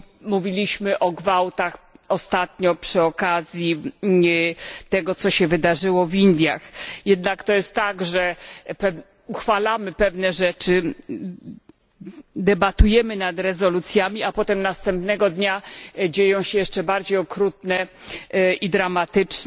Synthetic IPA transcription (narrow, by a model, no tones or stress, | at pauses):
muvʲilʲiɕmɘʔɔɡvawt̪axɔst̪at̪ɲɔpʂɘɔkazʲji | t̪ɛɡɔt̪sɔɕɛvɘd̪aʐɘwɔvind̪ʲja̰xjɛd̪nakt̪ɔjɛst̪ːaɡʐɛpɛ | uxfalamɘpɛvnɛʐɛt͡ʂɘ | d̪ɛbat̪ujɛmɘnad̪ɾɛzɔlut̪sʲjamʲiapɔt̪ɛmnast̪ɛmpnɛɡɔd̪ɲad͡ʑejɔ̃w̃ɕɛjɛʂt͡ʂɛbaɾd͡ʑejɔkɾut̪nɛ | ʔid̪ɾamat̪ɘt͡ʂ